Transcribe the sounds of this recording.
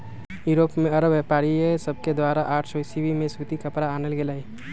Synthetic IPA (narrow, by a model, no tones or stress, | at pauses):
juɾoːpmẽɐɾəbjepaːɾiesəb̚ʱked̪waːɾaʔaːʈʰsɔɪsibimẽsut̪ikəpɾaaːnəlɡelaːi